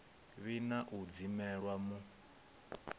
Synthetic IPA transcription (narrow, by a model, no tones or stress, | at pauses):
βinaʔud͡zimɛɺwamu